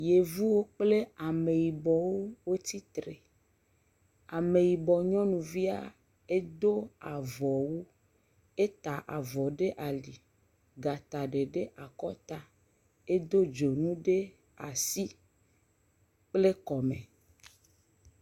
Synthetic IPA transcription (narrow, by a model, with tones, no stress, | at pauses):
je˨vu˦wo˦k͡ple˦a˨me˨ji˨bɔ˨wo˦wo˦t̪i˦t̪ɾe˨ | a˨me˨ji˨bɔ˨ɲɔ̃˦nũ˨vi˦a̰˦ | e˦d̪o˦a˨vɔ˨wu˦ | e˦t̪a˨ʔa˨vɔ˨ɖe˦ʔa˨li˨ | ɡa˨t̪a˨ɖe˨ɖe˦ʔa˨kɔ˦t̪a˦ | e˦d̪o˦d͡ʒo˨nũ˦ɖe˦ | a˨si˦ | k͡ple˦kɔ˨mẽ˨